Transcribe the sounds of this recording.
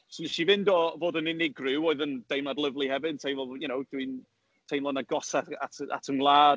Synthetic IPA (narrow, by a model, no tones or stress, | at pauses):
snɛʃivɪndɔvoːdənɪnɪɡrɪwoɨðənd̥ejmnadlˠəvlˠihɛvɪd̥̚tʰejnvɔjənowd̥win | tʰejnlˠɔnaɡɔsaa̰tʰəa̰tʰənwlˠaː